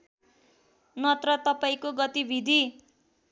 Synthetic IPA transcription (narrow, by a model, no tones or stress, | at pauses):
nʌt̪rʌt̪ʌpaĩkoɡʌt̪ibʱid̪ʱi